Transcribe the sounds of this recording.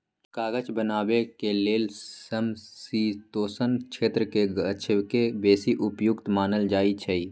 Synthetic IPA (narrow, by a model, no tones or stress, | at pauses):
kaːɡət͡ʃbənaːwekeleːlsəmsiːt̪oːsənʃʰeːt̪ɾəkeət͡ʃʰəkebeːsiʔʊpjʊkt̪maːnəld͡ʒaːit͡ʃʰəi